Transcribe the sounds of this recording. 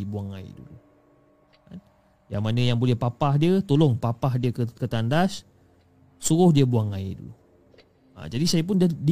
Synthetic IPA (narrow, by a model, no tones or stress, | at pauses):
buaŋa̰ḭdṵlu | ka̰n | ja̰ŋmanə̃jaŋbolɛhpapahdiət̪olʊŋpapahdiəkəkət̪andas | suɾʊhdiəbuaŋaḭdṵ | a̰d͡ʒadisajəp̬ʊnddi